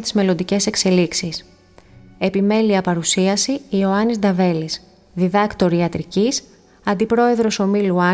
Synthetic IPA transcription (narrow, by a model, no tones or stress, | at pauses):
t̪izme̞lo̞nd̪ice̞se̞kse̞liksis | e̞pime̞liɐpɐɾusiɐsiːo̞ɐnizd̪ɐve̞lis | ðiðɐkt̪o̞ɾiɐt̪ɾicis | ɐnd̪ipɾo̞e̞ðɾo̞so̞miluɐ